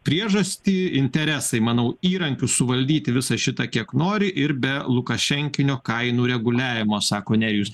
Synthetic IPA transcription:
pʲɾʲiɛʒɐsʲt̪ʲiːɪnʲt̪ʲɛɾʲæsɐɪmɐnɐʊiːɾɐŋʲkʲʊsʊʋɐlʲd̪ʲiːt̪ʲɪʋʲɪsɐʃʲɪt̪ɐkʲiɛknoːɾʲɪʔɪɾbʲɛlˠʊkɐʃʲɛŋʲkʲɪnʲoːkɐɪnuːɾʲɛɡʊlʲæːʋʲɪmoːsɑːkoːnʲɛɾʲjuːs

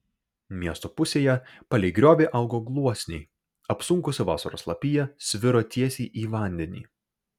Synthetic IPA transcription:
mʲiɛst̪oːpʊsʲeːjɛ | pɐlʲɛɪɡɾʲoːʋʲeːʔɐʊɡoːɡlˠuɔsʲnʲɛɪ | ɐpsʊŋkʊsʲɪʋɑ̰ːsɐɾo̰ːslˠɐpʲijɛsʲʋʲɪɾoːt̪ʲiɛsʲiːʔiːʋɑˑnʲd̪ʲɛnʲḭː

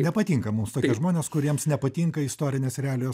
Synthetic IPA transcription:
nʲɛpɐt̪ʲiːŋkɐmumst̪oːkʲiɛʒmoːnʲeːskʊɾʲiɛmsnʲɛpɐt̪ʲiːŋkɐɪst̪oːɾʲɪnʲeːsɾʲɛæːlʲɪjoːs

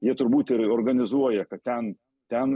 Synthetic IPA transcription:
jiɛt̪ʊɾbuːt̪ʲɪɾoːrɡɐnʲɪzuɔjɛkɐt̪̚t̪ʲɛn | t̪ʲɛn

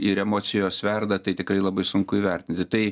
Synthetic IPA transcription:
ɪɾɛmoːsʲɪjoːssʋʲɛrd̪ɐt̪ɐɪt̪ʲɪkɾɐɪlˠɐbɐɪsʊŋkʊiːʋʲɛɾʲt̪ʲɪnʲt̪ʲɪt̪ɐɪ

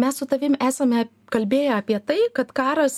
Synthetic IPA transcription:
mʲɛssʊt̪ɐʋʲɪmʔæːsɐmʲɛ | kɐlʲbʲeːjɛɐːpʲiɛt̪ɐɪkɐt̪kɑːɾɐs

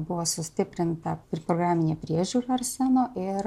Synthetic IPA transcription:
bʊʋɔsʊsʲt̪ʲɪpʲɾʲɛnt̪ɐpɾʲɪpɾɔɡɾaːmʲinʲɛpʲɾʲɛʒʲuɾɐɾsʲɛnoʔɪɾ

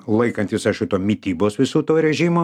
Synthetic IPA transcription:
lˠɐɪkɐnʲt̪ʲɪsɐʃʲɪt̪oːmʲɪt̪ʲiːboːsʋʲɪsuːt̪oːɾʲɛʒʲimoː

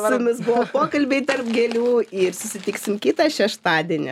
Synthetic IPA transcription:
ɪmʲɪsbʊʋopoːkɐlʲbʲɛɪt̪ɐrpɡʲɛlʲuːɪrsʊsʲɪt̪ʲɪksʲɪmkʲɪt̪ɑʃʲɛʃt̪ɑːd̪ʲiɛnʲɪ

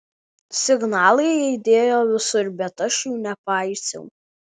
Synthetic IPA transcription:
sʲɪɡnɑːlˠɐɪɛɪd̪ʲeːjoːʋʲɪsʊɾʲbʲɛt̪ɐʃʲuːnʲɛpɑˑɪsʲɛ̰ː

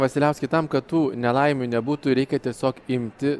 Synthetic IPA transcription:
ʋɐsʲɪlʲɛʊsʲkʲɪt̪ɐmkɐtt̪uːnʲɛlˠɐɪmʲunʲɛbuːt̪ʊɾʲɛɪkʲɛt̪ʲiɛsʲoːkɪmʲt̪ʲɪ

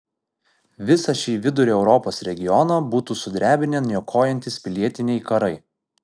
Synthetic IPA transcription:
ʋʲɪsɐʃʲiːʋʲɪd̪ʊɾʲoːɛʊɾɔpoːsɾʲɛɡʲɪjɔnɐbuːt̪uːsʊd̪ʲɾʲæːbʲɪnʲenjoːkʰoːjɛnʲt̪ʲɪspʲɪlʲiɛt̪ʲɪnʲɛɪkɐɾɐɪ

